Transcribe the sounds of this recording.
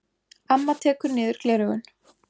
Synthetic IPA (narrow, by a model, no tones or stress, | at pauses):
amːat̪ʰɛːkʏɾnɪːðʏɾ̥klɛːɾʏɣʏn